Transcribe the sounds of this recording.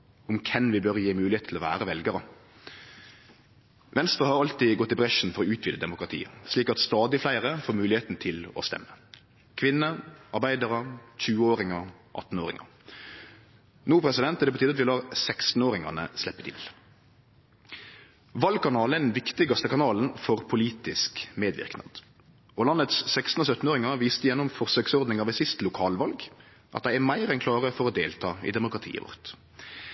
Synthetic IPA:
ʊmkʰɛnʋɪbœʁjiːmʉːlɪeːt̪ʰlɔʋæ̰ːʁəʋɛlɡəɾə | ʋɛnst̪ʁəhɑɑlt̪ɪɡɔt̪ːɪbʁɛʂn̩fɔɾɔːʉːt̪ʰʋiːd̪əd̪ɛmʊkʁɑt̪ʰḭːə̰sliːkɑt̪st̪ɑːd̪ɪflæɪʁəfoːɾmʉːlɪheːt̪nət̪ʰɪlɔ̰st̪ɛ̰mːə | kʰʋɪnːəɑʁbæɪd̪əʁəc͡çʉːəoːɾɪŋə | ʔɑ̰t̪ːn̩oːʁɪ̰ŋə̰ | nuːpʰɾɛsɪd̪ɛnt̪ːɛld̪ɛpɔt̪iːd̪ɑt̪ʋɪlɑːʁsækst̪n̩oːʁɪŋɑ̰nə̰slɛpːət̪ʰɪ̰l | ʋɑlɡ̚kʰɑnɑːləəɛd̪nɛnʋɪkt̪ɪɡɑst̪əkɑnɑːln̩fɔʁpʰʊliːt̪ɪskmeːd̪ʋɪ̰ʁknɑ̰d̪ | ɔlɑnːət̪ssæɪkst̪n̩ɔsœt̪ːn̩oːʁɪŋɑʋiːst̪əjɛnːʊmfɔʁsøːksɔʁd̪nɪŋɑʋɛt̪sɪst̪lʊkʰɑːlʋɑlɡ | ʔɑt̪̚d̪æɪæmæɪʁɛnkʰlɑːʁəfɔɾɔd̪eːlt̪ʰɑːɪ̰d̪ɛmʊkɾʁɑt̪ʰḭːə̰ʋɔ̰ʁt̪

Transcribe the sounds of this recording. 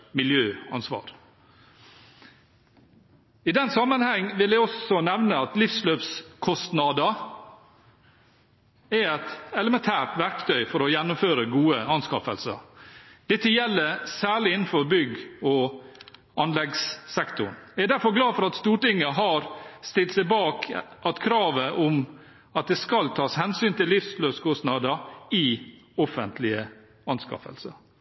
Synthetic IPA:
mɪljøːɑ̰nsʋɑ̰ːɾ | ɪd̪ɛnsɑmːənhɛŋːʋɪld̪æɪɔsɔnɛʋnəɑt̪lɪfsløːpskʰɔst̪nɑd̪ɑ | æɛt̪ɛləmɛnt̪ʰæːʈʋæɾkt̪ʰœʏfɔɾɔjɛnːʊmføːɾəɡuːəɑnskɑ̰fə̰lsə̰ɾd̪̥ɛt̪ːəjɛlːəsæːɭɪɪnn̩fɔɾbʏɡɔ | ɑnlɛɡssɛkt̪ʊɳæɛd̪æɾfɔɾɡlɑːfɔɾɑt̪st̪uːʈɪŋːəɦɑɾst̪ɪlt̪sɛɪbɑːkʔɑt̪kʰɾɑːʋəʔʊm | ɑt̪̚d̪ɛskɑlt̪ʰɑːshɛnsyːnt̪ɪlːɪfsløːskʰɔsnɑːd̪əɪ | ɔfənt̪ʰlɪə | ɑnskɑ̰fə̰lsəɾ

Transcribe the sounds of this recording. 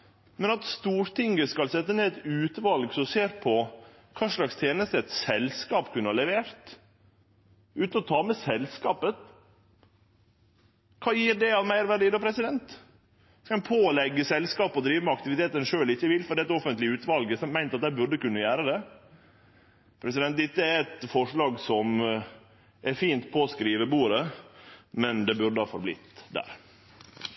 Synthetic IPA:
mɛnɑt̪st̪uːɾt̪ʰɪŋɡəskɑlsɛt̪ːəneːɛt̪ʉːt̪ʋɑlɡsɔmseːɾpʰɔ | kʰɑːʂɭɑkst̪ʰjeːnəst̪əɛt̪sɛlskɑːpkʰʉnːəhɑlɛʋeːɾt̪ | ʉːt̪nɔt̪ʰɑːmɛsɛlskɑːpə | kʰɑːjiːɾɖ̪ɛɑʋmæɪɾʋæɾɖiːd̪oːpʰɾɛsɪd̪ɛnt̪ | skɑɛnpʰoːlɛɡːəsɛlskɑːpɔd̪ɾiːʋəmɛɑkt̪ɪʋɪt̪ʰeːt̪ənʂøːlɪçːəʋɪlːfɔɾɖɛːɛt̪ɔfənt̪lɪʉːt̪ʋɑlɡəsɔmæɪnt̪ɑt̪d̪æɪbʉɾɖəkʉnːəjæːɾəd̪ɛ | pʰɾɛsɪd̪ɛnt̪̚d̪ɪt̪ːəæɾɛt̪fɔʂɭɑːɡsɔm | æɾfiːnt̪pʰoːskɾiːʋəbuːɾə | mɛnd̪ɛbʉɾɖ̪əhɑːfɔ̰ɾblɪ̰t̪d̪æ̰ːɾ

